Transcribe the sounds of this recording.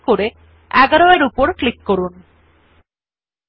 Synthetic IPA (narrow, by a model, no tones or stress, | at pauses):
koɾe | ɛɡaɾoeɾupoɾklikːoɾun